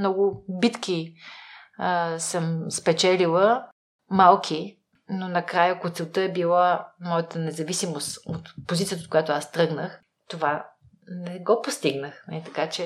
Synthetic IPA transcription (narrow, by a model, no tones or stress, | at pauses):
mnɔɡʊbit̪ki | səmspɛt͡ʃɛlilˠə | malˠkʰi | nonɐkɾajəkot̪sɛlˠt̪əɛbilˠamɔjət̪ənɛzɐvisimost̪ot̪pozit̪iət̪ot̪̚kojat̪oast̪ɾɤɡnəx | t̪ova | nɛɡɔpost̪iɡnəxmɛit̪ɐkat͡ʃɛ